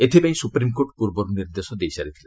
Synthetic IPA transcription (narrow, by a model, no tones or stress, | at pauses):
et̪ʰibeãj̃supɾimkoʈpuɾbɔɾniɾd̪esɔd̪ejsaɾit̪ʰi̥len